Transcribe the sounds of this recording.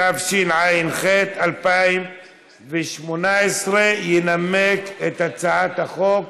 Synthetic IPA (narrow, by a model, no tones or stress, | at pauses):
avʃinʕajinχet̪alpaim | veʃmonaesʁejenameket̪at͡saʕat̪haχok